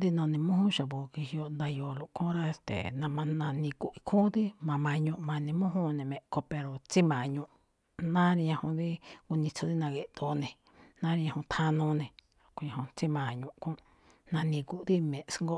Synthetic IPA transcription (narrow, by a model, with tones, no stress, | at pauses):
d̪i˦nõ˧nĩ˧mũ˦hũ˦ʃa˨βo˨ki˧hi˧o˧nd̪a˧jo˧lo˧˨ʔkõ˦ɾa˦e˧st̪ḛ˨nã˧mã˧nã˧nĩ˧ku˧ʔi˧kʰũ˦d̪i˦mã˧˨mã˧ɲũ˧ʔmã˧nĩ˧mũ˦ɦũ˦nẽ˨mẽ˨ko˧pe˧ɾo˨t͡si˦mã˨ɲũ˧˨ʔ | nã˦ɾi˧ɲã˧hõ˧ði˦ku˧nĩ˧t͡sʰo˧ði˦nã˧ɣe˧˨ʔt̪o˧nẽ˨ | nã˦ɾi˧ɲã˧hõ˧t̪ʰã˧nũ˧nẽ˨˧ | ko˧ɲã˧hõ˧t͡si˦mã˨ɲũ˧ʔkũ˦ | nã˧nĩ˧ku˧ʔd̪i˦mẽ˨ʔsŋɡo˦